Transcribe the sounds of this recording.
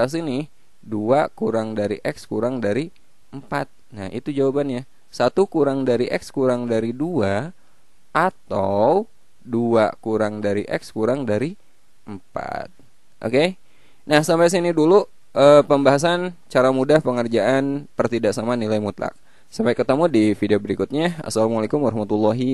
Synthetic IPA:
as̬ini | duakuɾaŋdaɾiʔɛkskuɾaŋdaɾi | əmpat̪̚nahḭt̪ud͡ʒawabanɲa | sat̪ukuɾaŋdaɾiʔɛkskuɾaŋdaɾidua | at̪aw | dua̰kuɾaŋdaɾḭʔɛ̰kskuɾaŋdaɾi | əmpa̰t̪̚ | ʔo̰ke | nahsampajs̬inidulu | ʔəpəmbaɦas̬ant͡ʃaɾamudahpəŋərd͡ʒaʔanpərt̪idaʔsamanilajmut̪la̰k̚ | sampajkət̪əmudifideobəɾikʊt̪̚ɲaa̰salamalekʊmwaɾɑhmat̪ulːaɦi

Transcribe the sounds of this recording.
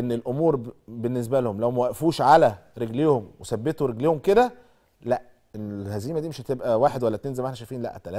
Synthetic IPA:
ʔenːelʔomuːɾbenːes̬bælhomlæwmæwæʔæfuːʃʕalæɾeɡlehomwesæbːet̪oɾeɡlehomked̪æ | læʔ | ʔenːelhæziːmæd̪iːmeʃhæt̪ebʔæwaːħed̪wælːæt̪enzelmæħnæʃæjfiːnlæ̰ʔæt̪ːælæː

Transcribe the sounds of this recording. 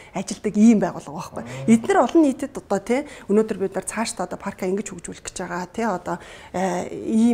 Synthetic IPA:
at͡ɕɪ̆ɮt̪ə̆kiːmpæːʁʊːɮʁə̆qɔχɡæːet̪nɘ̆rɔɮɞ̆nːiːt̪ɘ̆t̪ɔt̪ɔːt̪ʰeɵnoːt̪ɵ̆rpit̪nə̆rt͡sʰaːʃt̪ʰːɔt̪ɔːpʰarkʰaiŋɡɘ̆t͡ɕxukt͡ɕuːɮ̆kɘ̥̆t͡ɕpæːʁaːt̪ʰeɔt̪ɔː | iː

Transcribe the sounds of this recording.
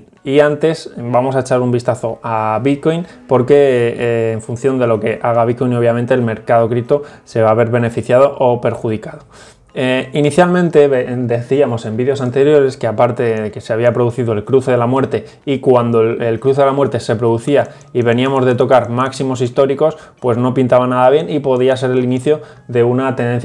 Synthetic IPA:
iant̪e̞sbamo̞s̬aet͡ʃaɾumbist̪aθo̞aβit̪̚ko̞jn | po̞ɾke̞ː | ɱfunθjo̞nd̪e̞lo̞ke̞ʔaɣ̞aβit̪kojno̞βjamẽnt̪e̞ːlme̞ɾkað̞o̞kɾit̪o̞ | se̞βaːβe̞ɾβe̞ne̞fiθjað̞o̞ʔope̞ɾxuðikaðo̞ | iniθjalmẽ̞nt̪e̞βed̪e̞θiamo̞se̞mbiðjo̞sant̪e̞ɾjo̞ɾe̞ske̞apaɾt̪e̞ððe̞ke̞seaβ̞iapɾo̞ðuθiðo̞elkɾuθe̞ðe̞lamwe̞ɾt̪e̞ | ikwand̪oelkɾuθelamwe̞ɾt̪e̞se̞pɾoðuθia | iβe̞niamo̞zð̞e̞t̪o̞kaɾmaksimo̞s̬ist̪o̞ɾiko̞s | pwe̞zno̞pint̪aβ̞anaðaβ̞je̞nipo̞ð̞ias̬e̞ɾe̞liniθjo̞ | ðe̞unat̪e̞nd̪enθ

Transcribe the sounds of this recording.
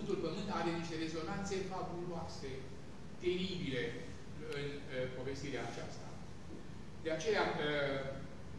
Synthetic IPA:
nt̪ulpəmɨnt̪aɾeniʃt̪e̞ɾe̞zo̞nant̪se̞fabuloase̞ | t̪e̞ɾibile̞ | ɨn | po̞ve̞st̪iɾeaːt͡ʃast̪a̰ | d̪e̞at͡ʃe̞ja

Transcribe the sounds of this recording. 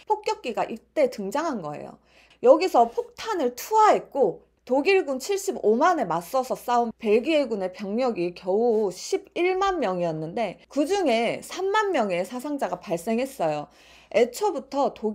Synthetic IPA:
pʰok̚k͈jʌk̚k͈iɡaʔit͈e̞tɯŋd͡ʑaŋɦanɡʌ̰e̞̰jo̰ | jʌɡisʰʌpʰok̚tʰanɯɭtʰuaɦe̞t̚k͈o | toɡiɭɡunt͡ɕʰiɭɕ͈ibomane̞mas͈ʌsʰʌs͈aunpe̞ɭɡie̞ɡune̞pjʌŋɲʌɡikjʌuɕʰibiɭmanmjʌŋiʌnːɯnde̞kɯd͡ʑuŋe̞sʰamːanmjʌŋe̞sʰasʰaŋd͡ʑaɡapaɭs͈e̞ŋɦe̞s͈ʌjo | e̞t͡ɕʰʌbutʰʌto

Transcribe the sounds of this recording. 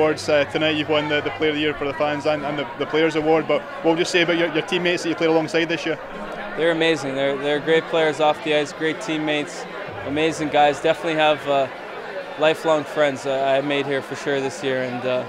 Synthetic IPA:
ɔɹdz̥ʌtʰənaɪʔəwʌ̃nðəðəpʰl̥eɪə˞ðəjiɹfə˞ðəfãnzə̃nə̃nðəðəpʰeɪə˞zəwɔɹd̚bʌʔ | wʌʔ̚wəd͡ʒəseəbaʊʔt͡ʃə˞t͡ʃə˞tʰĩmːetsðəʔt͡ʃəpʰl̥eɪɾəlˠɔ̃ŋsaɪd̪̚ðɪsjiɹ | ðə˞ɨmeɪzɪ̃ŋðə˞ðə˞ɡɹeɪt̚pʰl̥eɪə˞zɔfdiaɪzɡ̥ɹeɪtʰĩmːeɪts | əmeɪzɪ̃ŋɡaɪzdɛfənətˡlˠiəvʌ | lˠaɪflˠɔ̃ŋfɹɛ̃ndzaɪmeɪd̚hiɹfə˞ʃʊɹðɪsjiɹɨ̃nʌ

